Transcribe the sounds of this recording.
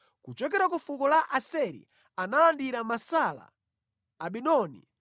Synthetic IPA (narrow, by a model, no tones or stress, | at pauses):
kut͡ʃɔkɛɾakufukɔlaʔasɛɾḭ | analandiɾamasala̰ː | ɓinɔnḭ